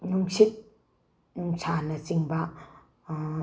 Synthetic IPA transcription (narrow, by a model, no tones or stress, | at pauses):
nuŋsit̚ | nuŋsʰanɐt͡ʃiŋbɐ